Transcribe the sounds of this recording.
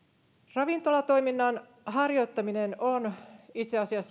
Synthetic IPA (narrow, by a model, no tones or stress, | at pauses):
rɑʋint̪o̞lɑt̪o̞jminːɑn | ɦɑrjo̞t̪ːɑminenonit̪seɑsiɑsː